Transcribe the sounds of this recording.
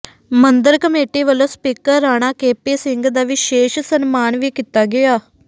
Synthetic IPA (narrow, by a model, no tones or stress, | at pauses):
mənd̪əɾkəmeːʈiːʋəlõːspiːkəɾːaːɽ̃aːkeːpeːsɪ̃ŋɡd̪aːʋɪʃeːʃsənmaːnʋiːkɪt̪aːɡɪaː